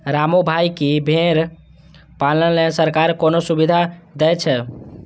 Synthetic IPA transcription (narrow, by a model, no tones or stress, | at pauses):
ɾamobʱajkibʱeɾ | paləlesəɾkaɾkonosubid̪ʱad̪ɛjt͡ʃʰɛ